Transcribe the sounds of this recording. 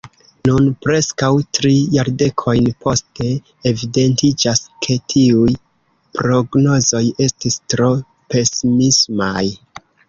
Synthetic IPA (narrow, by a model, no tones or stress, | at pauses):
nunpɾe̞skawtɾijaɾde̞kʰo̞jnpʰo̞ste̞ː | vide̞ntid͡ʒaskʰe̞tʰiuj | pɾo̞ɡno̞zo̞je̞stistɾo̞ | pe̞simismaj